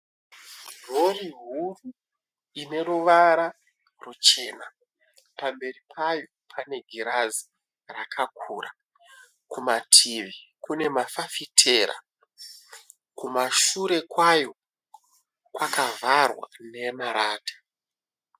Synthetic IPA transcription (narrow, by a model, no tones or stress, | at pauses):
roriɦuru | ine̞ruʋaɾa | rut͡ʃe̞ːna | pambe̞ripʰajo̞pʰane̞ɡʱiɾazi | rakʰakʰuːra | kumatʰiʋikune̞mafafitʰe̞ɾa̰ | kumaʃuɾe̞kwajo̞ | kwakavʱarwa̰ne̞maɾaːtḁ